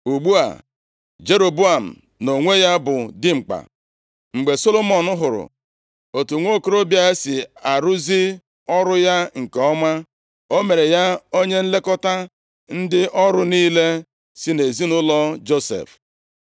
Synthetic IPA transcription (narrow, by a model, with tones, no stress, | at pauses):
u˨ɡ͡bu˦a̰˨ | d͡ʒe˦ɾo˨bu˦a˨m̩̰˨ | no˨ŋʷe˦ja˦bʊ˨dɪ˦ŋ͡m̩˨k͡pa̰˨ | ŋ͡m̩˨ɡ͡be˨so˦lo˦mɔ˨nʊ˦ɦʊ˨ɾʊ̰˨ | o˨tu˨ŋʷo˦ko˦ɾo˦bja˦e˦sɪ˨a˨ɾu˦zi˦ | ɔ˦ɾʊ˦ja˦ŋ̩˨ke˨ɔ˦ma˦ | o˦me˨ɾe˨ja˦o˦ɲe˦n̩˦le˦kɔ˦ta˦ | n̩˦dɪ˦ʔɔ˦ɾʊ˦niː˦le˦ | si˦ne˨zi˦nʊ˦lɔ˦d͡ʒo˦sḛ˨f